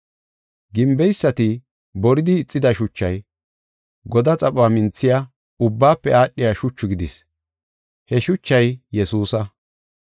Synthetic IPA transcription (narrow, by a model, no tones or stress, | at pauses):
ɡɪmbɛjsːɐt̪ɪ | bɔɾɪd̪ɪːt͡sʼːɪd̪ɐʃʊt͡ʃːɐj | ɡɔd̪ɐt͡sʼɐpʼʊaːmɪnt͡sːɪja | ʊbːaːpːɛaːɗːɪjaːʃʊt͡ʃːʊɡɪd̪ɪs | hɛʃʊt͡ʃːɐjjɛsuːsɐ